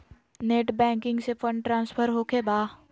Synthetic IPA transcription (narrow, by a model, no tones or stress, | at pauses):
neːʈbɛ̃ːŋkɪ̃ŋɡsefʰə̃ɳɖʈɾãːnspʰəɾɦoːkʰebaː